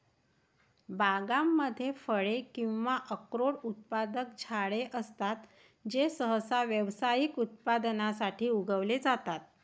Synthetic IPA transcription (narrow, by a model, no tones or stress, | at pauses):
baɡamːəd̪ʱːjefəɭekĩw̃ʋaʔəkɾoɽut̪̚pad̪ək̚d͡ʑʰʱaɭeʔəst̪at̪ | d͡ʑesəɦəsaʋjəʋsajikut̪̚pad̪nasaʈʰiːuɡʱəʋled͡zat̪at̪̚